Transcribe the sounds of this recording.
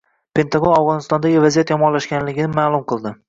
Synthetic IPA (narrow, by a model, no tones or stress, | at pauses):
pʰe̞nt̪ʰaɡonavʁɒnɪst̪ɒnd̪aɡʲɪvazijat̪jɒmɒlːaʃkʲanlɪɡʲɪnɪmaːlˠʊmqɨlˠd̪ɪ